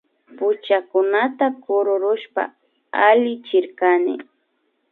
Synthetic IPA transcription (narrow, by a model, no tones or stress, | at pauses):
pʊt͡ʃakʊnat̪akʊɾʊɾʊʃpa̰ | alɪt͡ʃɪɾkanɪ̰